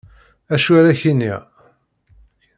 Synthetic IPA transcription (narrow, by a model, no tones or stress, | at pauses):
æʃuæɾæçinːi